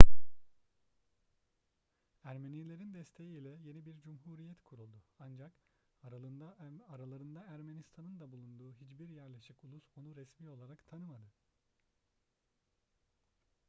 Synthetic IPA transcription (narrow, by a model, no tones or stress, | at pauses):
æɾmenilʲe̞ɾind̪ɛst̪ʰe̞jiːlʲɛje̞nibiɾd͡ʒumɦuːɾijɛt̪kʰuɾulˠd̪uand͡ʒak̪ | aɾalˠaɾɯnd̪aæɾme̞nist̪ʰanɯnd̪abulˠund̪uːɦit͡ʃbiɾjæɾlʲe̞ʃikulˠuso̞nuɾɛsmiːo̞lˠaɾakt̪ʰanɯmad̪ɯ